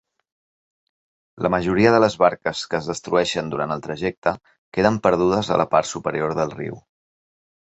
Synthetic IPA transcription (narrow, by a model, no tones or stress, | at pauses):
lʔəməʒuɾiəðələzβaɾkəskəːzðəst̪ɾuɛʃənd̪uɾant̪əlˠt̪ɾəʒɛk̚t̪ə | keðəmpəɾð̞uð̞əzə̰ləpa̰ɾt̪supəɾioɾðəlˠrḭw